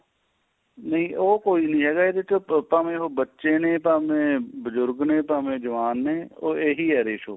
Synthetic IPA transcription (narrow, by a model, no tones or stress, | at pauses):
nəĩːʔoːkoːiːnəĩːɦɛːɡaːeːd̪ɪt͡ʃpaːmẽːɦoːbətːʃeːnẽːpaːmẽːbəzʊɾɡnẽːpaːmẽːd͡ʒəʋaːnːeːoːeːɦiːɦɛːɾeːʃoː